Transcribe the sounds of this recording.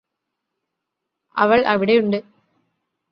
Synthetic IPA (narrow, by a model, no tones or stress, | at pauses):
ʔɐ̰ʋɐɭʔɐʋɪɽɐʊɳɖɯ